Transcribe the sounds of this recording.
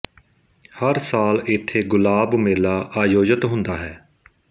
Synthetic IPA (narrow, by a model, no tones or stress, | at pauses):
həɾsaːlɪt̪ʰːeːɡʊlaːbmeːlaːʔaːjoːd͡ʒət̪ɦʊ̃nd̪aːɦɛː